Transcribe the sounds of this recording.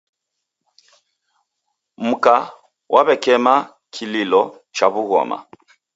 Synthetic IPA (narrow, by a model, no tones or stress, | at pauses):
m̩ka | wʔaβɛkɛma | kʰililɔ | t͡ʃaβuɣɔ̰ma̰